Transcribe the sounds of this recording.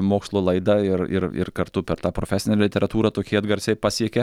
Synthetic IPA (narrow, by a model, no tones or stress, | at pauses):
moːkslˠoːlˠɐɪd̪ɐɪɾɪ̰rɪ̰rkɐɾt̪ʊpʲɛɾt̪ɑːpɾoːfʲæːsʲɪnʲɛlʲɪt̪ʲɛɾɐt̪uːɾɐt̪oːkʲiːɐd̪ɡɐɾʲsʲɛɪpɑːsʲiɛkʲɛ